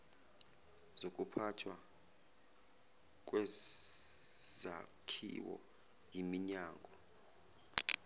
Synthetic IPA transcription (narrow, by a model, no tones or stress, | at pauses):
z̥ok̬ʼupʰatʰwa | k̬wɛ | zakʰḭwɔ̰ | jʱimiɲaːŋʱɔ